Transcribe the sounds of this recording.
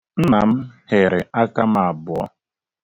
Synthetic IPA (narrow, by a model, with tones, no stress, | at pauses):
n̩˦na˨m̩˦hɪ˨ɾɪ˨a˦ka˦m˦a˨bʊ˨ɔ̰˦